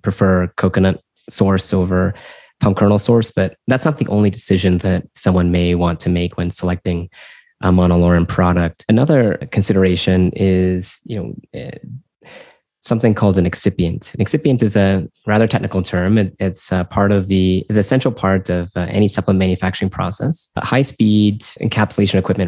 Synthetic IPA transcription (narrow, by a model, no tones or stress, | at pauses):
pʰɹ̥ɨfɜ˞kʰoʊkɨnə̃t̚ | sɔɹsoʊvə˞ | pʰʌ̃mkʰɜ˞nl̩ˠsɔɹsb̥ʌt̪̚ðætsnət̪̚ðiʔõʊ̃nlidɨsɪʒɨ̃nðɨt̚sʌ̃mwʌ̃nmeɪwɑ̃ntʰɨmeɪkʰwɨ̃nsəlɛk̚tɪ̃ŋ | ʔəmɑnəlɔɹɨ̃npʰɹ̥ɑɾɨk̚tɨnʌðə˞kʰɨ̃n̩sɪɾə˞eɪʃɨ̃nɪz̥jɨnoʊ | sʌ̃mθɪ̃ŋkʰɔlˠdɨ̃nɨksɪpiɨ̃ntnɨksɪpiɨ̃ntɨzɨɹæðə˞tʰɛk̚nɨkl̩ˠtʰɜ̃˞mɨɪtspʰɑɹɾʌvðiɪzɨsɛ̃nt͡ʃɹl̩ˠpʰɑɹɾʌvʔɛ̰ñisʌplˠə̃nmæ̃njɨfæk̚t͡ʃə˞ɪ̃ŋpʰɹ̥ɔ̰sɛ̰shaɪspidɨ̰̃nkʰæpsəleɪʃɨ̃n̩ɨkʰw̥ɪp̚mɨ̃n